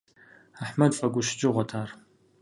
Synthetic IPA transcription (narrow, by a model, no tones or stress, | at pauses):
aħmɐdfɐɡʷʊʃd͡ʒʼɪʁʷɔtʰaːr